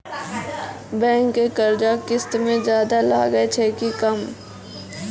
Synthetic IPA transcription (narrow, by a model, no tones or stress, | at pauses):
bɛ̃ːŋkːekɐɾd͡ʒakɪst̪mẽd͡ʒjaːd̪alaːɡəet͡ʃʰɛːkikɐm